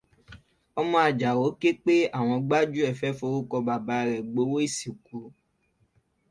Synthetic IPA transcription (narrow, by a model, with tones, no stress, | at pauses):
ɔ˧mɔ̃˧a˨d͡ʒa˨o˨˦ke˦k͡pe˦a˦˨w̃ɔ̃˧ɡ͡ba˦d͡ʒu˦ɛ˦˨fɛ˨˦fo˧˦ɾu˦kɔ˧ba˨ba˨˦˧ɾɛ˨ɡ͡bo˨˦wo˦i˦˨si˨ku˨˦